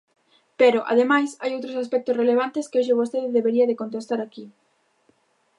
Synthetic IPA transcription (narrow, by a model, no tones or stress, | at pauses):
peɾoʔa̰ðemajsajowt̪ɾosaspɛk̚t̪osreleβ̞ant̪eskɪoʃeβost̪eðeðeβeɾiɐðekont̪̬est̪aɾaki